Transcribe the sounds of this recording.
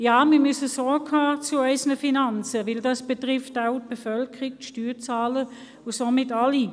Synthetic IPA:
jaːmimʏsəsɔɹɡhaːt͡suaɪsənəfinant͡səvɪldɑsb̥ətʁɪftaʊt̚b̥əfœlkʰəʁiktʃtyːt͡saːlə | ʊsomɪtali

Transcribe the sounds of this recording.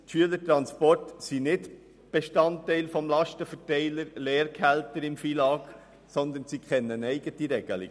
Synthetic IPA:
tʃyələtɾɑnspɔrtsinɪd | b̥eʃtɑntːɛɪlfɔmlɑʃtəfətɛɪləɾleːɾkʰælt̪əɾɪmfilɑːk | sɔnd̪ənsikχɛnːənɛɪɡətiɾɛɡ̥ə̰lḭɡ

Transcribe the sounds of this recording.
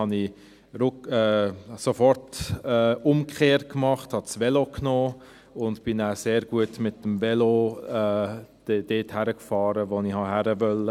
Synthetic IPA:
ɑni | ɾʊkɛːsofɔrtɛːʊmkχeːɾrt̚kmɑχthɑt͡sʋɛloknoː | ʊndb̥ɪnaseːɾɡ̥uətmɪt̚ːəmvɛloɛd̥ɛd̥eːthæɾəkfɑːɾəʋonihɑɦæɾəʋœlə

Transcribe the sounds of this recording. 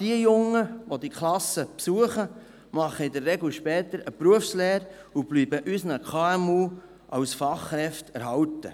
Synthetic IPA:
d̥iəjʊŋːəʋod̪ikʰlɑsəpsuəχə | mɑχːəɪd̪ərːɛɡluʃpɛːt̪əɾəpɾuəfsleːɾ | ub̥lyːbəʔysnəkʰɑːɛmuː | ʔɑwsfɑχːɾɛft̪ɛɾɦɑwt̪ə̰

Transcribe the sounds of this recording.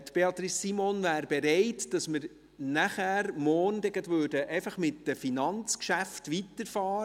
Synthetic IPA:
t̪b̥eɑt̪ɾisːimonvæːɾbeɾeɪtd̥ɑsmɪɾ | næχæːɾmɔːrndɛɡət̪ʋʉːrdəʔɛɪfɑχmɪtd̥əfinɑnt͡skʃæftʋitəɾfɑːɾə

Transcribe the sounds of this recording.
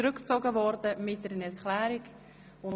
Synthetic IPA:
ɾʏkt͡sɔɡəvɔrdəmɪt̚dɛɾənɛɾkʰlæːɾiɡ | ʊ

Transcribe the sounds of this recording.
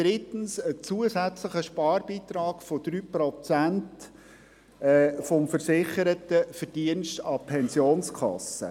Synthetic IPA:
d̥ɾɪtn̩sət͡suəsæt͡sləχəʃpɑːrb̥iːt̪ɾɑːɡ̥fod̥ɾyːpɾɔt͡sænt | ɛːfɔmfəɾsɪχəɾətəfəɾd̥iənstɑpʰɛnsjoːnskʰɑ̰sə̰

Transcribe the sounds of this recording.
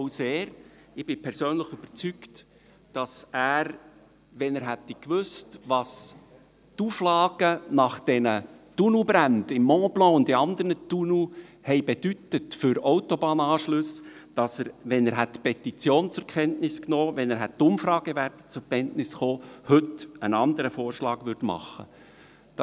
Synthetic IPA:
oʊseːɾ | ɪb̥ɪpʰɛɾsøːnləχyb̥ət͡sykt | d̥ɑsæːɾ | ʋɛnəːɾɦɛt̪ɛkʋʏstʋɑs | tuːflɑːɡ̥ənɑχd̥ɛnətunubɾændɪmːɔːblɑ̃ːʊndiɑnd̪əɾnət̪unuhɛɪbed̥ytətfʏɾoʊtobɑːnɑːʃlʉsd̥ɑsəɾʋɛnæɾɦɛtːpʰɛt̪it͡sjoːnt͡sʊɾkʰɛntnɪsknoːʋɛnæɾɦɛttːʊmfɾɑːɡ̥əʋæːɾtə̥t͡sʊɾpʰɛntnɪsχoːhɵtənɑnd̪əɾəfoːrʃlɑːɡʋʏɾdmɑ̰χːə̰ | d̥

